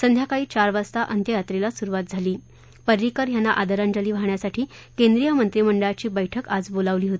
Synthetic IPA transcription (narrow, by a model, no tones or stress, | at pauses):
sənd̪ʱjakaiːt͡ɕaɾʋast̪aʔənt̪jəat̪ɾelasuɾuʋat̪̚d͡zʱaliː | pəɾɾikəɾjanːaʔad̪əɾand͡ʑaliːʋaɳjasaʈʰiːkend̪ɾijəmənt̪ɾiːməɳɖəɭat͡ɕiːbəjʈʰəkad͡zbolaʋliːɦot̪ii̥